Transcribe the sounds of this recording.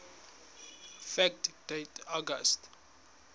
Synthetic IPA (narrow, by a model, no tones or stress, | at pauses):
fɛktd̥etʰɔɡəst